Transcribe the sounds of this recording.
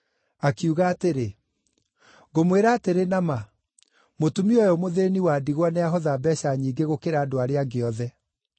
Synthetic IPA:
akiuɣaːteɾe | ɣomweɾaːteɾenama | motumiɔjɔmoðeniwaːdiɣwanɛaɦɔðabɛɕaɲiːɡeɣokeɾaːdoaɾeaɡeɔðɛ

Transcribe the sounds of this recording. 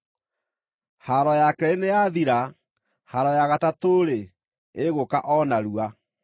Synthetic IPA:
haɾɔjakɛenejaðiɾa | haɾɔjaɣatatoɾe | eɣokaʔɔnaɾua

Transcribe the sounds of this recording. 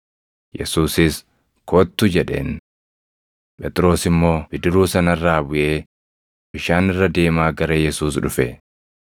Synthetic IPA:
jɛ̰suːsɪs | koːt̪ːʊd͡ʒɛᶑe̞̰ːn | pʼɛt̪ʼɪɾo̞ːsɪmːo̞ːbɪd̪ɪɾuːsɐnɐrːaːbʊʔe̞ː | bɪʃaːnɪrːɐd̪e̞ːmaːɡɐɾɐjɛsuːsᶑʊfɛ

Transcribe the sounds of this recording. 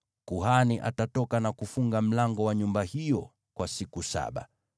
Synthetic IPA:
kuɦaniʔa̰tatɔkanakufuŋɡam̩laŋɡɔwaɲumbahijɔ | kwasikusa̰ɓa̰

